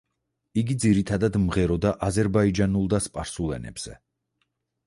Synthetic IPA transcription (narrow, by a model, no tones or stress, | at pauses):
iɡid̪ziɾit̪ʰad̪ad̪mʁɛɾɔd̪aʔazɛɾbaid͡ʒanulˠd̪aspʼaɾsulɛ̰nɛ̰bz̥ɛ̰